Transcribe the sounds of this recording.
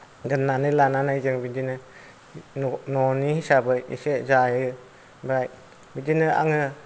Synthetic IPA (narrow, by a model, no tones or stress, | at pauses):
dɯnːanɯlananajzɯŋbidinɯ | nɔnihisabɯjḭsezajɯɯ | bɾaj | bidinɯa̰ŋɯ